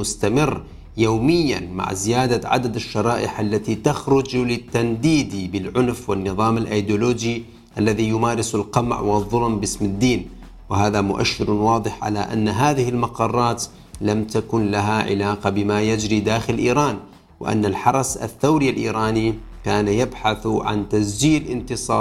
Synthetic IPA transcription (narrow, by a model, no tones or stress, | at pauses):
mʊst̪amɪrː | jawmɪjːa̰nma̰ʕzɪjaːd̪aʕa̰d̪ad̪aʃːɑɾˤɑːʔɪħʔalːat̪it̪axɾʊd͡ʒlɪt̪ːand̪iːd̪ibɪlʕʊnfwɪnːɨðˤɑːmalʔajd̪uloːd͡ʒi | ʔalːaðijʊmaːɾɪsalqɑmʕwɪðˤːʊlmbɪsmad̪ːiːn | wɪɦaːðamʊʔa̰ʃːɪɾwɑːd̪ˤɨħʕa̰laʔa̰nːaɦaːðɪhɪlmɑqɑrˤːɑːt̪ | lamt̪akʊnlaɦaʕɪ̰laːqabɪmajad͡ʒɾid̪aːxɪllʔiːɾˤaːn | wɪ̰ʔa̰nːalħɑɾˤɑsa̰θːawɾialʔḭːɾɑːnikaːnajabħaθʕa̰nt̪asd͡ʒiːlʔɪnt̪ɨsˤɑːɾˤ